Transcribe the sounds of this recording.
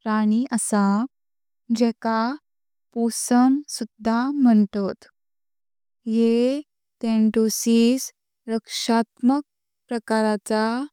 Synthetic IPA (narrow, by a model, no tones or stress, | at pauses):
ɾaɽ̃iʔəsa | d͡ʑɛka | posəmsud̪ʱːam̤əɳt̪ot̪ | je | t̪eɳʈosiːs | ɾəkʂat̪mək̚ | pɾəkaɾat͡sa